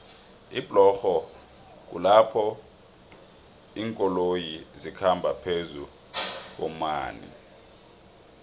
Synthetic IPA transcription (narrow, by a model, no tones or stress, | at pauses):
ib̥ʱlɔxɔ | k̬ṵlapʰɔ | iːŋkʼɔlojizikʰambʱapʰezu | k̬ɔma̰ːnḭ